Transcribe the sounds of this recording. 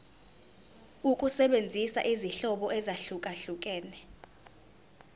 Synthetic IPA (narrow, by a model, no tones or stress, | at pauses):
ukʼusɛɓend͡zʱisa̰ʔiziɬɔɓɔʔɛzaɬukʼaɬukʼɛːnɛ